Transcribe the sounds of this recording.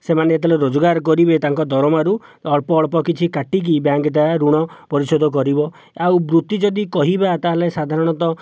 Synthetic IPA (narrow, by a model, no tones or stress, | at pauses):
semaneːt̪̬ɔleɾod͡ʒɔɡaɾkɔɾibet̪aŋkɔd̪ʱɔɾɔmaɾuɔɭpɔːɭpɔkit͡ʃʰikaʈik̬ibjaŋɡet̪aɾuɽ̃ɔpɔɾisɔd̪ʱɔk̬ɔɾibɔ | awbɾut̪id͡ʒɔd̪ikɔɦibat̪aɦlesad̪ʱaɾɔɽ̃ɔt̪ɔ